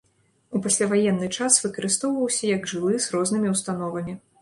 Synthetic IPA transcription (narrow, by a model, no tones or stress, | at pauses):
upasʲlʲavajɛnːɨt͡ʂasvɨkɐɾɨst̪ɔwvɐwsʲɐjɐɡʐɨlˠɨzrɔznɨmʲiwst̪anɔvɐmʲi